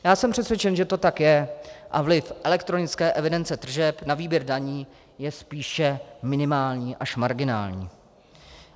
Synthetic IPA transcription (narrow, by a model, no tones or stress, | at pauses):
jaːsɛmpr̝̥ɛsvjɛt͡ʃɛnʒɛt̪o̞t̪akjɛʔavlɪfʔɛlɛkt̪ɾonɪt͡skɛːʔɛvɪdɛnt͡sɛd̪r̩ʒɛpnaviːbjɛɾdaɲiː | jɛspiːʃɛmɪnɪmaːlɲiːʔaʃmaɾɡɪna̰ːlɲḭː